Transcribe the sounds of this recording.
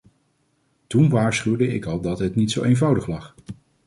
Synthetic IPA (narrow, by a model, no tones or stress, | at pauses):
tunʋaːɹsχywdəɪkɑlˠdɑtɦətnitsowejnvʌwdəχlɑχ